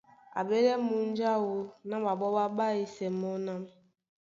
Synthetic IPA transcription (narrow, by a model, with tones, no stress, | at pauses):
a̰˨be˦ɾɛ˦mu˦n˦d͡ʒa˦wo˦na˦mba˨bɔ˦ɓa˦ɓa˦i˦sɛ˨mɔ˦na˦m